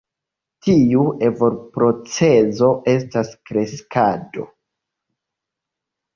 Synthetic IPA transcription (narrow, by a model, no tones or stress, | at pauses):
tiuʔe̞vo̞ɾpɾo̞t͡se̞zo̞ʔe̞s̬taskɾe̞skado̞̰